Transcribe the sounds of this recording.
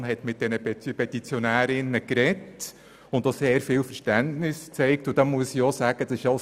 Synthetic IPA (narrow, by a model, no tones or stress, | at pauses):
nɦɛtmɪt̚d̥ɛnəpɛpɛtit͡sjɔnæːɾɪnəkɾɛt | ʊntoseːɾfɪːlfəɾʃtæntnɪst͡sɛɪk̚tʊd̥ɑmuəsijɔsæːɡ̥ədɑsɪʃjɑ